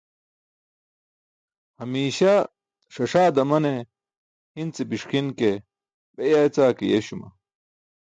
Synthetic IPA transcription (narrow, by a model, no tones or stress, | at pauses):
hɐmiːɕa | ʂɐʂaːd̪ɐmɐne | hint͡sebiʂkinke | bejajt͡saːkijḛɕumɐ̰